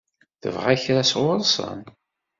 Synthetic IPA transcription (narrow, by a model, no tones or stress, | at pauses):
θə̰vʁæçɾæsʁʊɾˤsˤə̰n